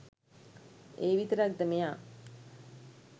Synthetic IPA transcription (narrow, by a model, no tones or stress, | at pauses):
eːʋit̪əɾak̚d̪əmejaː